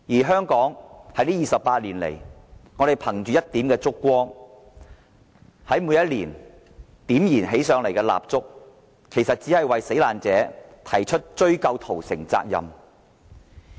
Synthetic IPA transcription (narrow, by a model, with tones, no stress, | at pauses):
jiː˨˩ɦœː˥ŋkɔː˨˥ŋhɐ˨˧jliː˥jiː˨sɐ˨pːaː˧t̚liː˨˩nlḛ˨˩jŋɔː˨˧ɾe˨jpʰɐ˨˩ŋt͡ʃyː˨jɐ˥t̚t̪iː˨˥mkɛː˧t͡sʊ˥kːʷwɔː˥ŋ | hɐ˨˥jmuː˨˧jɐ˥t̚liː˨˩n | t̪iː˨˥mjiː˨˩nɦe˨˥jsœː˨˧˥ŋle˨˩jkɛː˧la̰ː˨p̚t͡sʊ˥k̚ | kʰe˨˩jsɐ˨t̚t͡siː˨˥hɐ˨jwɐ˨jse˨˥jlaː˨nt͡sɛː˨˥t̪ʰɐ˨˩jt͡ʃʰɵ˥t̚t͡ʃɵ˥ɥkɐ˧wt̪ʰo˨˩wsɪ˨˩ŋt͡sa̰ː˧k̚jɐ̰˨m